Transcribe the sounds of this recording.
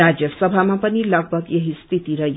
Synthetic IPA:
ad͡zjʌsʌbʱamapʌnilʌɡ̚bʱʌɡjeɦist̪ʰit̪iɾʌj

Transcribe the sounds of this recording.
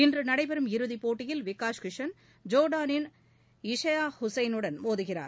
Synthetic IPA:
ɪndrɯnɐɽɐɪbɐɾɯmɪɾɯðipoːʈːɪjɪlʋɪkːaːʂkɪʂɐn | d͡ʒoːɽaːnɪn | ɪʂɐjaːhʊsɐɪnɯɽɐnmoːðɯɣɪra̰ːɾ

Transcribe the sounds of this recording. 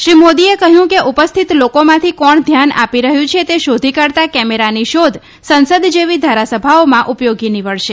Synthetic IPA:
ʃɾimod̪iekəɦjũkeʔupəst̪ʰit̪lokomãt̪ʰikɔɳd̪ʱjanʔa̰piɾəɦjũt͡ʃʰet̪eʃod̪ʱikəɾt̪akɛmeɾaniʃod̪ʱ | sənsəd̪ʱd͡ʒeʋid̪ʱaɾasəbʱaomãʔupjoɡiniʋəɭʃe

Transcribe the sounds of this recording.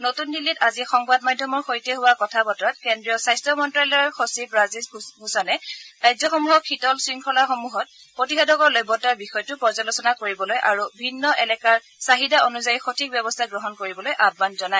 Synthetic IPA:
notundilːitazixɔŋbadmadʱːɔmɔɹxojtɛɦuwakɔtʰabɔtɔɹat̚kɛndɹiɔsajstɹɔmɔntɹalɔɹxosibɹazisbʱusɔnɛajzɔxɔmuɦɔkʰitɔlsɹiŋkʰɔlaxomuɦɔt̚ | potixadɔkɔɹlɔjbɔtaɹbixɔjtʊpɔzalosɔnakoɹibɔlojʔaɹubʱinːɔʔɛlɛkaɹ | saɦidaonuzajixotʰik̚bjɛbɔstʰaɡɹɔɦɔnkoɹibɔlojʔab̚manzɔnaɛ

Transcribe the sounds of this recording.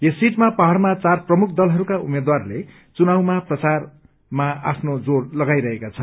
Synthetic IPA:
jesiʈmapʌɦʌrmat͡sarprʌmuk̚ʰd̪ʌlɦʌɾukaumed̪warle | t͡sunawmaprʌt͡sar | maapʰnod͡zorlʌɡajɾʌɦekat͡sʰʌ

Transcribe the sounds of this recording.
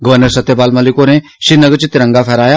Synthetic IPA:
ɡəʋəɾnəɾsɐt̪jəpaːlmɐlikonẽʃinɐɡt͡ʃit̪ɾə̃ŋɡafʰɛɾaːja

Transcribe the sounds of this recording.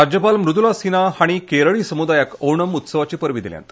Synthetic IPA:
ad͡ʑjəpalmɾud̪ulasinahaɽ̃ikeɾəɭiːsəmud̪ajakoɳəmut̪səʋat͡ɕiːpəɾʋid̪ilja̰nt̪

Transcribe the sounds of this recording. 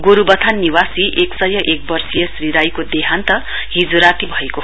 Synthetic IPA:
ɡoɾubʌt̪ʰanːiwasiʔeksʌjʌʔek̚bʌrsijʌsriɾajkod̪eɦant̪ʌ | ɦid͡zuɾat̪ibʱʌeko

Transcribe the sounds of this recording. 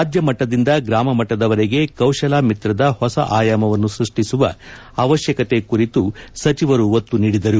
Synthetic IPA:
aːd͡ʒjɐmɐʈːɐd̪ind̪ɐɡɾaːmɐmɐʈːɐd̪ɐʋɐɾeɡe̞kɐwʃɐlaːmit̪ɾɐd̪ɐhɔsɐ̰ʔaːjaːmɐʋɐnːusɾuʂʈisuʋɐ | ɐʋɐʃjɐkɐt̪e̞kuɾit̪usɐt͡ʃiʋɐɾuot̪ːuniːɽid̪ɐɾu

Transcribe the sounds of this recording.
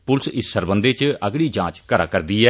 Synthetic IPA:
pʊlsɪsːəɾbənd̪eːt͡ʃəɡɽiːd͡ʒãːt͡ʃkəɾa̰ːkəɾd̪iːɛː

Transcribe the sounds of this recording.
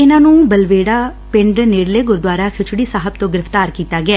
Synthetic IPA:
ɪnãːnũːbəlʋeːɽaː | pɪɳɖneːɽleːɡʊɾd̪ʋaːɾaːkʰɪt͡ʃʰɽiːsaːɦəb̚t̪õːɡɪɾəft̪aːɾkiːt̪aːɡɪaː

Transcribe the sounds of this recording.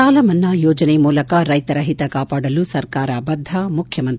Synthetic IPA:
aːlɐmɐnːɐjɔːd͡ʒɐnemuːlɐkɐɾɐjt̪ɐɾɐɦit̪ɐkaːpaːɽɐlusɐɾkaːɾɐbɐd̪ʱːɐmukʰjɐmɐnt̪

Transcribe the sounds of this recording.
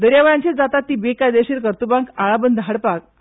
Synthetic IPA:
d̪əɾjaʋəɭjãɲt͡ɕed͡zat̪at̪ːiːbekad̪eɕiɾkəɾt̪ubãŋkaɭabənd̪ʱɦaɽpak̚

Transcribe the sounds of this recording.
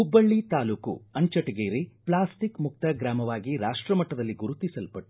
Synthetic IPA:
ubːɐɭːit̪aːluːkṵɐɲt͡ʃɐʈeɡeːɾeplaːsʈikmuk̚t̪ɐɡɾaːmɐʋaːɡiɾaːʂʈɾɐmɐʈːɐd̪ɐlːiɡuɾut̪isɐlpɐʈːu̥

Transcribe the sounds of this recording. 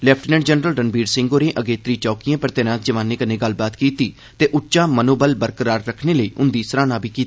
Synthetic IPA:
lɛːpʰʈnɛ̃ɖd͡ʒənɾəlɖənbiːɖsɪ̃ŋɡoːɾẽːʔəɡeːt̪ɾiːt͡ʃɔːkijãːpəɾt̪eːɾãːt̪d͡ʒəʋãːneːkənẽːɡəlbaːt̪kiːt̪iː | t̪eːʔʊʃãːmənoːbəlbəɾkəɾaːɾːəkʰneːləiːʔʊnd̪iːsəɾaːnãːbʱiːkiːt̪aː

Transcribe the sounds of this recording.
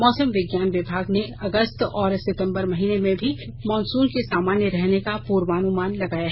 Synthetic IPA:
mɔːsəmʋɪɡjaːnʋɪbʱaːɡneɐɡəst̪ɔːɾsɪt̪ə̃mbəɾmɐɦiːnemẽbʱi | mɔːnsuːnkesaːmaːnjəɾɛɦnekapuːɾʋaːnumaːnlɐɡaːjaɦɛ

